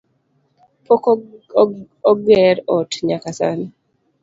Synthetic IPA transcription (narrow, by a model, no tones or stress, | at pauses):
pɔk | ɔɡɛɾɔtɲakasa̰ni